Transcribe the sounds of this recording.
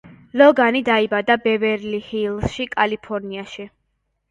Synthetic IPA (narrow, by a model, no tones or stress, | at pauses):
lɔɡanid̪aibad̪abɛvɛɾlihilˠsʃikʼalipʰɔɾniaʃi